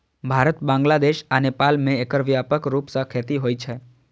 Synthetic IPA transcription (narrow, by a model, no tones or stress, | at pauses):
bʱaɾət̪bãŋ̆ɡlad̪eʃənepalmẽekəɾʋiapəkɾupsə̃kʰjat̪iɦojt͡ʃʰe